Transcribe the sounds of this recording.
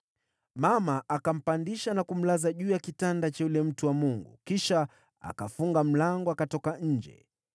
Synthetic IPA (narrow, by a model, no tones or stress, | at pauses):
mamaʔakam̩pandiʃanakum̩lazaʄuːjakitandat͡ʃajulɛm̩tuwamuŋɡṵkiʃa | a̰kafuŋɡam̩laŋɡɔakatɔkaɲ̩d͡ʒɛ̰